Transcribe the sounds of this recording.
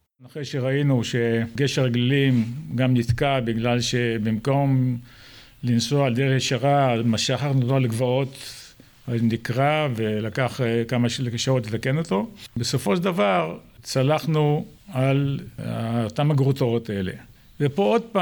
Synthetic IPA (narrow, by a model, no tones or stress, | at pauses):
naχeʃeʁainuʃe̞ɡeʃaʁeɡlilimɡamnit̪kabiɡlalʃe̞bimko̞m | linsoaald̪eʁejeʃaʁamaʃaχaʁnut̪oleɡvao̞t | anikʁave̞lakaχkamaʃleeʃaotlet̪akeno̞t̪o̞beso̞fo̞ʃeld̪avaʁt͡salaχnu | ala̰ot̪amaɡʁutoot̪ae̞le̞̰ | vepood̪̚pa